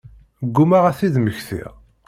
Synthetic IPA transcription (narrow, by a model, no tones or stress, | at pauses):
əɡːumaʁæθiðməçθḭʁ